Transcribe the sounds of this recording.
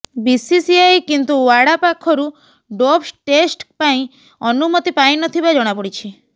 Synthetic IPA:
bisisiajkint̪uʋaɽapakʰːɔɾu | ɖɔpsʈesʈpaĩ | ɔnumɔt̪ipaĩnɔt̪ʰibad͡ʒɔɽ̃apɔɽit͡ʃʰi

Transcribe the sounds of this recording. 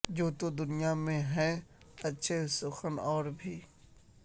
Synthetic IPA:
d͡ʒoːt̪od̪ʊnijamẽɦɛ̃ː | ɐtːʃʰesʊxənɔːɾbʱiː

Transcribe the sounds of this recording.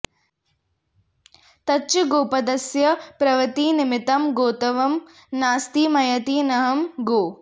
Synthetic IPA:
t̪ɐtːt͡ʃuɡoːpɐd̪ɐsjɐpɾɐʋɐt̪iːnimɪt̪ɐmɡoːt̪ɐʋɐm | naːst̪iːmɐjɐt̪iːnɐɦɐmɡoː

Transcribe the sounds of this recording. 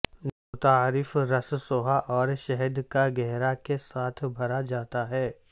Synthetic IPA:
not̪aːɾɪfɾɐssoːɦaʔɔːɾʃɛɦəd̪kaɡɛɦɾakesaːt̪ʰbʱɐɾad͡ʒaːt̪aɦɛː

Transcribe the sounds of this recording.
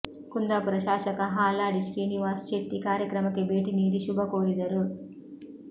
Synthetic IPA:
kund̪apɾɐʃaːʃɐkɐɦaːlaːɽiʃɾiːniʋaːst͡ʃeʈːikaːɾjɐkɾɐmɐkebeːʈiniːd̪iʃubʱɐkoːɾid̪ɐɾu

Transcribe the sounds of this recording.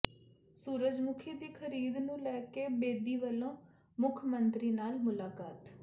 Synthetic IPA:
suːɾəd͡ʒmʊkʰiːd̪iːkʰəɾiːd̪nũːlɛːkeːbeːd̪iːʋəlõː | mʊkʰmənt̪ɾiːnaːlmʊlaːkaːt̪

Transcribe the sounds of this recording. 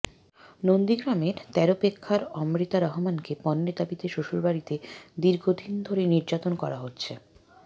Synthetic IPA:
nond̪iɡɾameɾt̪ɛɾopekʰːaɾɔmɾit̪aɾɔɦomankepɔnːed̪abit̪eʃoʃolbaɾit̪ed̪iɾɡʱod̪ʱind̪ʱoɾeniɾd͡ʑat̪onkɔɾaɦotːɕʰe

